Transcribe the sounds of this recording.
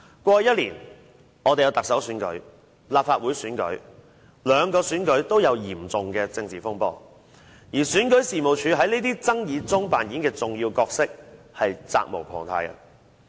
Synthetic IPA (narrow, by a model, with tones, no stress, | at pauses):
kʷwʷɔː˧˨˧jɐ˥t̚liː˨˩n | ʔɔ˨˧t̪e˨jɐ˨˧wt̪ɐ˨ksɐ˨˥wsyː˨˥nkɵ̰˨˥ɥ | laː˨p̚faː˧t̚wuː˨˥jsyː˨˥nkɵ˨˥ɥ | lœː˨˧ŋkɔː˧syː˨˥nkɵ˨˥ɥt̪o˥wjɐ˨˧wjiː˨˩mt͡sʊ˨ŋkɛː˧t͡sɪ˧ŋt͡siː˨fʊ˥ŋpɔː˧ | jiː˨˩syː˨˥nkɵ˨˥ɥsiː˨˩mo˨˩wt͡ʃʰyː˨˧ɦɐ˨˥jneː˥t̪iː˥t͡sɐ˥ŋjiː˨˧t͡sʊ˥ŋpaː˨˩nkiː˨˥nkɛː˧t͡sʊ˨ŋjiː˧wkɔː˧k̚sɪ˥k̚ | hɐ˨jt͡sa̰ː˧k̚mo̰˨˩wkʰɔ̰ː˨˩ŋt̪ʰa̰ː˧jkɐ̰˧